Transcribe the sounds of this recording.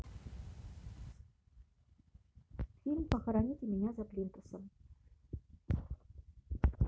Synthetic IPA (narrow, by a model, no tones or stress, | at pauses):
fʲilʲmpɐxɐɾanʲit̪imʲinʲæzaplʲint̪usɤm